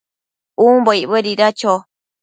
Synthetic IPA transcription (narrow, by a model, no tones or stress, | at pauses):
umboiʔβeɾiɾat͡ʃo